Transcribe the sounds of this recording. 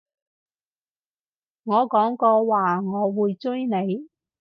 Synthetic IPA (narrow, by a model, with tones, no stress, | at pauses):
ŋɔː˨˧kɔː˨˥ŋkɔː˧waː˨ŋɔː˨˧wuː˨jt͡sɵ˥jne˨˧j